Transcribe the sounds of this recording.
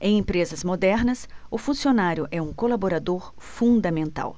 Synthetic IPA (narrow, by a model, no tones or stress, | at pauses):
ẽj̃ẽpɾezɐzmod̪ɛɾnɐsʊfũsionaɾjʊʔɛũkolaboɾad̪oɾ | fũd̪ɐmẽnt̪a̰w